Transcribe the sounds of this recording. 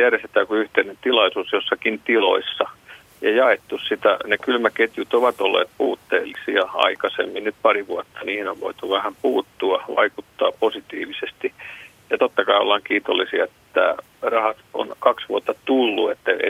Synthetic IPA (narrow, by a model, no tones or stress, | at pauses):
jæreset̪æːkuyht̪einent̪ilɑisuːsjosːɑkint̪ilo̰isːɑ | jɑjɑet̪ːussit̪æ̰nekylmæket̪jut̪oʋɑt̪olːḛːt̪̚puːt̪ːḛːlːisiɑɑ̰ikɑsḛmːinnyt̪̚pɑriʋuot̪ːɑniihneʋʋo̰it̪uʋæhæmpuːt̪ːuɑʋɑ̰ikut̪ːɑːposit̪ḭːʋisest̪i | jɑt̪ot̪ːɑkɑio̰lːɑŋkiːt̪olːisiɑet̪ːæ | rɑhɑt̪o̰nkɑksʋuot̪ːɑt̪ulːuet̪ːæḛ